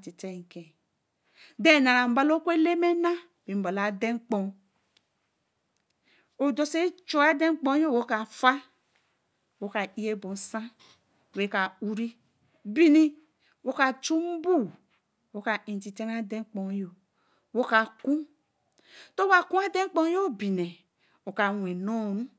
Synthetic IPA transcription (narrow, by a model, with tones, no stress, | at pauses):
ti˨te˦˨ŋ˨ke˨ | de˦˨na˨ɾa˨m̩˨ba˨lo˦kʷe˦le˦me˦na˦ | bi˨m˨bo˨la˨de˦ŋ˦k͡po˨ | o˨do˨se˦t͡ʃo˦a˦de˦k͡põ˦jo˦˨wo˦ka˨fa˦ | wo˦ka˨i˦je˦bo˨sã˦˨ | we˨˦ka˨u˦ɾi˦ | bi˦˨ni˦ | wo˦ka˨t͡ʃu˦m˦bu˦˨ | wo˨˦ka˨ĩ˨ti˨te˦n˦a˦de˦k͡po˨˦jo˨ | wo˦ka˨kũ˦ | to˦wa˨ku˦a˦de˦m˦k͡pɔ˦jo˦˨bi˨ne˨ | o˨ka˨we˨no˦˨ɾu˦